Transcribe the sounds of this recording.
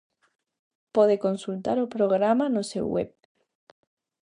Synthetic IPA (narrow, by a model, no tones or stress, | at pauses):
poðekonsult̪aɾopɾoɣ̞ɾamanosḛwwḛp̚